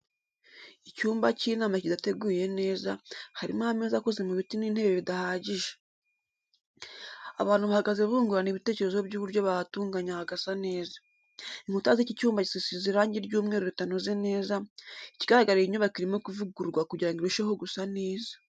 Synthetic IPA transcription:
icuːmbaciːnaːmacidate̞ɡuːje̞ne̞ːzahaɾḭmahame̞ːzakozemuβitiniːn̥he̞βeβidahaːɟiʒe̥ | a̰βaːn̥huβahaɡaze̞βuːŋɡuɾaniβite̞ːce̞ɾe̞zoβbjɟuːβuɾjo̞βatuːŋɡaɲahaɡasane̞ːzḁ | iŋ̥utazicicuːmbaci̥sisiziɾaːɲɟiɾɟuːmŋeɾoɾutanoze̞ne̞ːzaiciɡaɾaɡaɾeiɲoβakiɾimokuvuɡuɾɡwakuɟiɾaŋɡiɾuʃeho̞ɡusaneːza

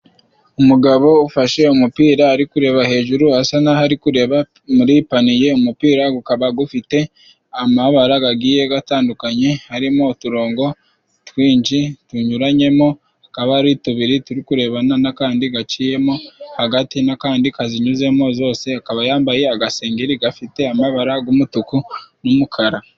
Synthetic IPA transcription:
umuɡaβo̞ufaʃe̞umupiːɾaːɾikuɾe̞βahe̞ːʒuɾuhasanahaɾikuɾe̞βa | muɾipanije̞umupiːɾaɡukaβaɡufite̞ | amaβaɾaɡaɡiːje̞ɡataːndukaɲe̞haɾimo̞tuɾo̞ːŋɡo̞ | twiːɲd͡ʒituɲuɾaɲe̞mo̞ | akaβaɾituβiɾituɾikuɾe̞βananakaːndiɡat͡ʃije̞mo̞haɡatinakaːndikaziɲuze̞mo̞zo̞ːse̞akaβajaːmbaje̞aɡase̞ːŋɡeɾiɡafite̞amaβaɾaɡumutukunumukʰaɾa

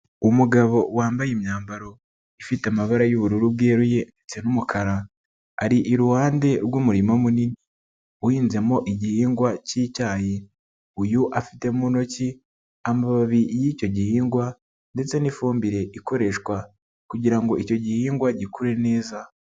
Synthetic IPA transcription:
umuɡaβo̞waːmbajemɲaːmbaɾo̞ | ifiteamaβaɾajuβuɾuɾubɡeːɾuje̞ndet͡se̞numukʰaɾa | aɾiʔiɾuhaːnde̞ɾɡumuɾimomunini | uhiːnze̞mo̞ʔiɟihiːŋɡwaciːcaːje | ujuʔafite̞muno̞ci | amaβaβijico̞ɟihiːŋɡwa | nde̞t͡se̞nifuːmbiɾe̞ʔiko̞ɾe̞ʃkwa | kuɟiɾaŋɡo̞ico̞ɟihiːŋɡwaɟikuɾe̞ne̞ːza

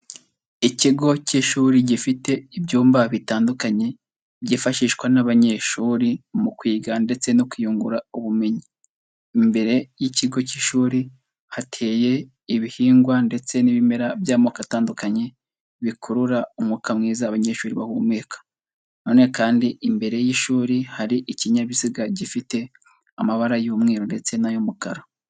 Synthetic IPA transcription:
iciɡo̞ciʃuːɾiɟifite̞ibɟuːmbaβitaːndukaɲe̞ | ɟifaʃiʃkwanaβaɲe̞ʃuːɾimukwiːɡande̞t͡se̞nokujuːŋɡuɾauβume̞ɲiː | mbe̞ɾe̞jiciɡo̞ciʃuːɾi | hatʰe̞ːje̞ | iβihiːŋɡwande̞t͡se̞niβime̞ɾavjaːmokataːndukaɲe̞ | βikʰuɾuɾaumŋukamŋiːzaːβaɲe̞ːʃuːɾiβa̰humweːkḁ | no̞ːne̞kaːndiʔimbe̞ɾe̞jiːʃuːɾihaɾiʔiciɲaβiziɡaɟifite̞ | amaβaɾajuːmŋeːɾonde̞t͡se̞najomukaɾo

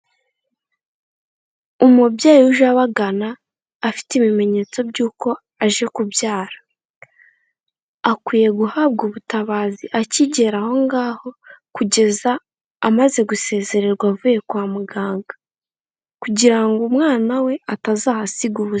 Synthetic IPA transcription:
umubɟaːjuʒaβaɡanaː | fi̥tiβime̞ɲe̞ːt͡so̞bɟuːko̞ | aʒe̞kubjaːɾḁ | akwiːje̞ɡuhaːb̚ɡuβutaβaːziʔaciɟe̞ɾaho̞ŋɡaːho̞kuɟe̞zaː | maze̞ɡuse̞ːze̞ɾe̞ɾɡwavuːje̞kwaːmuɡaːŋɡa | kuɟiɾaŋɡumŋaːnawe̞atazaːhasiɡuβuz

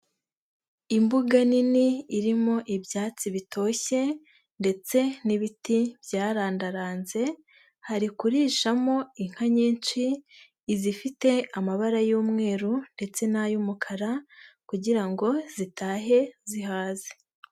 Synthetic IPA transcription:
imbuɡaniniːɾimo̞ʔibjaːt͡siβitʰo̞ːçe̞ | nde̞t͡se̞niβitibjaːɾaːndaɾaːnze̞ | haɾikuɾiʃamo̞iŋ̥haɲiːnt͡ʃiː | zifite̞amaβaɾajuːmŋe̞ːɾunde̞t͡se̞najumukʰaɾakuɟiɾaŋɡo̞z̥itaːɦe̞ziɦaːze

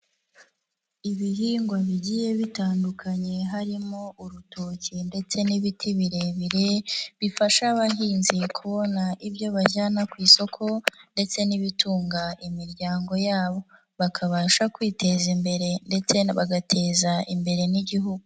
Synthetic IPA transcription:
iβiɦiːŋɡwaβiɟije̞βitaːndukʰaɲe̞ɦaɾimo̞ʔuɾutocinde̞t͡se̞niβitʰiβiɾe̞βiɾeβifaʃaβaɦiːnzikʰuβo̞naʔibjo̞βaʒanakwiːso̞kʰo̞nde̞t͡se̞niβituːŋɡaʔimiɾɟaːŋɡo̞jaːβo̞ | βakʰaβaːʃakwiːte̞zimbe̞ɾe̞nde̞t͡se̞βaɡatʰe̞zaʔimbe̞ɾe̞niɟiɦuɡu

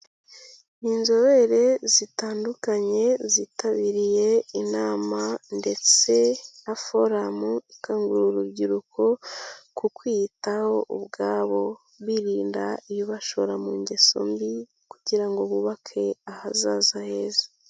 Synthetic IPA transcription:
inzo̞βe̞ɾe̞zitaːndukaɲe̞zitaβiɾije̞inaːmande̞t͡se̞afo̞ɾamuikaŋɡuɾuɾubɟiɾukʰo̞kukwitaho̞ʔubɡaːβo̞ | βwiɾiːnda̰ijiβaʃo̞ɾamuɲɟe̞so̞̰mbi | kuɟiɾaŋɡoβuβakʰe̞ahazaːzahe̞ːza

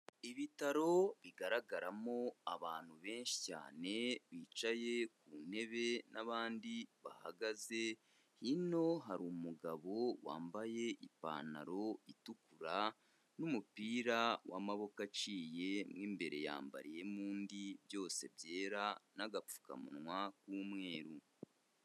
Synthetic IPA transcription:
iβitaɾo̞βiɡaɾaɡaɾamo̞aβaːn̥huβe̞ːnʃi̥ca̰ːne̞βiːt͡ʃaje̞kuːn̥e̞βe̞naβaːndiβa̰ha̰ɡaze̞ | hino̞ɦaɾumuɡaβo̞wa̰ːmbaje̞ʔipa̰ːna̰ɾo̞itukuɾa | numupiːɾawa̰maβo̞kat͡ʃiːje̞mŋiːmbe̞ɾe̞ja̰ːmba̰ɾije̞muːndibjo̞ːse̞bje̞ːɾanaɡap͡fu̥ka̰mṵnŋwakuːmŋe̞ːɾu

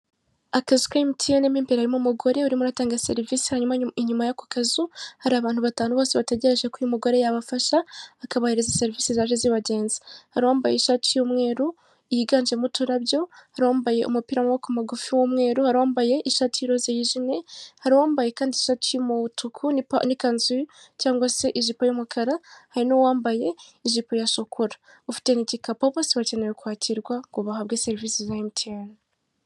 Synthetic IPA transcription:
akazu̥kaimitʰijanemiːmpeɾahaɾimumuɡo̞ɾe̞uɾimuɾataːŋɡase̞̰ɾiviːsi̥haɲumaiɲumajaku̥kazuhaɾiaβaːn̥huβataːnuβoːseβateɟe̞ɾe̞ʒekujumuɡo̞ɾe̞jaβafaʃaːkaβahiɾezase̞ɾiviːsizaːʒeziβaɟe̞ːnzi̥haɾiwaːmbajeʃatijuːmŋe̞ːɾu | ijiɡaːnd͡ʒemutuɾaβjo̞haɾiwaːmbaje̞̰ʔṵmupiɾamowakumaɡufiwomŋe̞ːɾuhaɾiwaːmbaje̞ʔiʃaːtiɾozejiʒine̞haɾiwaːmbaje̞kaːndiʃatijomuutukʰunianikanzu | caːŋɡwase̞ʔiʒipojomukʰaɾahaɾinowaːmbaje̞iʒipojaʃokʰuɾḁ | ufi̥te̞niɟikapaβosiβaceneɾokwaːcʰiɾɡwaŋɡuβahaβɡeseɾivisizaimtʰen

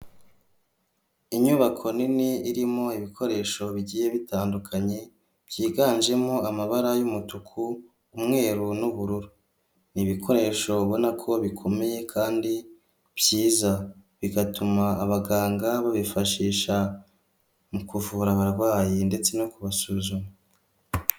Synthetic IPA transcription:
iɲuːβakʰo̞niniiɾimo̞iβikʰo̞ɾe̞ʃo̞βiɟiːje̞βitʰaːndukʰaɲe̞ | b̥jiːɡaːnd͡ʒe̞mo̞amaβaɾajumutukʰuː | mŋe̞ːɾunuβuɾuɾu | niβikʰo̞ɾe̞ːʃo̞βo̞nakʰo̞βikʰo̞me̞je̞kʰaːndi | β̥jiːzaβiɡatumaːβaɡaːŋɡaβaβifaʃiːʃa | mukuvuːɾaβaɾaβwaːjinde̞t͡se̞nokuβasuːzuma

